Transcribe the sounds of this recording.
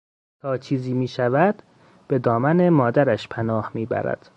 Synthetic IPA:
t̪ʰɒːt͡ʃʰiːziːmiːʃævæd̪̥ | b̥e̞d̪ɒːmæne̞mɒːd̪æɾæʃpʰænɒːhmiːbæ̰ɾæ̰d̪̥

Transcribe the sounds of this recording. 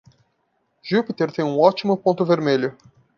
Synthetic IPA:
ʒupit̪eɾt̪ẽj̃ũɔt͡ʃimʊpõnt̪ʊveɾmeʎʊ

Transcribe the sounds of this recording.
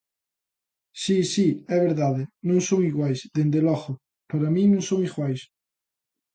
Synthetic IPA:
sisiɛβeɾðaðɪnõŋsoŋiɣwajsðend̪elɔɣʊ | paɾamĩnõŋsoŋiɣwajs

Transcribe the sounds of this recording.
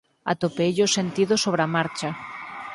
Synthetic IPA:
a̰t̪opeʎʊsent̪iðʊsoβɾamaɾt͡ʃa

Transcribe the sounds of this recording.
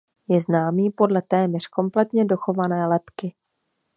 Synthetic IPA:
jɛznaːmiːpo̞dlɛt̪ɛːmɲɛr̝̥ko̞mplɛt̪ɲɛdo̞xo̞vanɛːlɛpkɪ

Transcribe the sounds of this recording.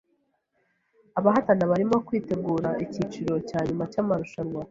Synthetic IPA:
aβaɦatanaβaɾimo̞kwiːte̞ɡuːɾaiciːt͡ʃiɾo̞caːɲumacamaɾuʃaɾwa

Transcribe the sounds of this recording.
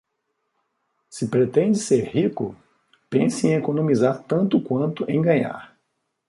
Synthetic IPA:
sɪpɾet̪ẽd͡ʒɪseɾhikʊ̰ | pẽsɪẽekonõmizaɾt̪ɐ̃nt̪ʊkwɐ̃nt̪ʊʔẽj̃ɡɐ̃ɲa̰ɾ

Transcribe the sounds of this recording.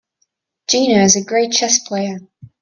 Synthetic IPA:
d̥ʒ̥ĩːnəɪzəɡɹeɪt̚t͡ʃʰɛspʰl̥eɪə

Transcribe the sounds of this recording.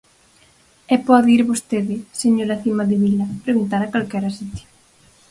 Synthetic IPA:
ɛpɔðiɾβost̪eðɪseɲoɾɐθimɐðɪβilɐpɾeɣunt̪aɾɐkalkɛɾɐsit̪i̥

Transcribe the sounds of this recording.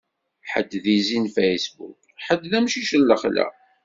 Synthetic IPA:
ħə̰d̪ːðizinfejsbṵk | ħəd̪ðæmʃiʃəlːəχlæ̰

